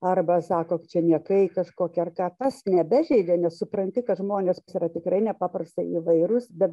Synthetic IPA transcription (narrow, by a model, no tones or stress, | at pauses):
ɐrbɐsɑːkoːt͡ʃʲɛnʲiɛkɐɪkɐʃkoːkʲɛɐrkɑːt̪ɐsnʲɛbʲæʒʲɛɪd͡ʒʲɛːnʲɛssʊprɐnʲt̪ʲɪkɐtʒmoːnʲeːssiːrɐt̪ʲɪkrɐɪnʲɛpɑːprɐst̪ɐɪiːʋɐɪɾʊsbʲɛt̪